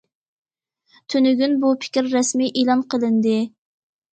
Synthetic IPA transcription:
t̪ʰønyɡʲynbupʰɪ̥kʲiɾːɛsmiʔelˠɑnqʰəlˠɨnd̪ɨ

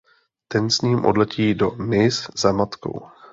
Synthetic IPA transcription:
t̪ɛnsɲiːmʔodlɛciːdomɪszamat̪ko̞̰w

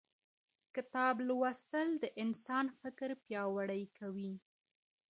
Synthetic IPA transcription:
kɪt̪ɑblwasəld̪əʔɪnsɑnfɪkɾpjɑwaɽəjkʰawi

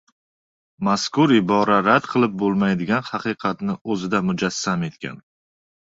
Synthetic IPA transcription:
maskʊɾɪbɒɾaɾad̪qʰɨlˠɪp̚bolˠmajd̪ɪɡʲanhɑqɨjqʰɑt̪nɪɵzɪd̪amʊd͡ʒasːame̞t̪kʲʰa̰n

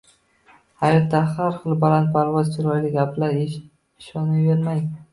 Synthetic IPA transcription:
hajɒt̪ːahaɾχɨlˠbalant̪̚pʰaɾvɒzt͡ʃʰɪɾɒjlɪɡʲaplaɾ | ɪʃɒnɪveɾmaj

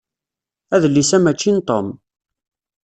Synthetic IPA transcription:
æðəlːisæmæt͡ʃːint̪om

